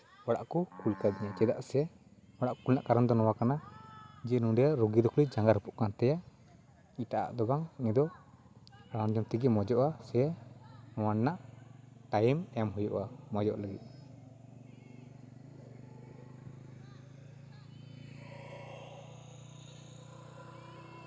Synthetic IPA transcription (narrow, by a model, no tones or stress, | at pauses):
waɽa̰ʔkɔkulkad̪iɲat͡ʃɛd̪aʔsɛɛ | wɔɽaʔkulna̰ʔkaɾand̪ɔnɔwakanad͡ʒɛnũɖɛjaɾuɡid̪ɔklid͡ʒaŋɡaɾhupɔʔkant̪ɛja | it̪aʔa̰ʔd̪ɔɡaŋŋɛd̪ɔ | aɽand͡ʒɔmt̪iɡɛmɔd͡ʒɔʔasɛɛnɔwannːaʔʈajmɛmɦujṵʔamɔd͡ʒɔʔləɡḭt̪̚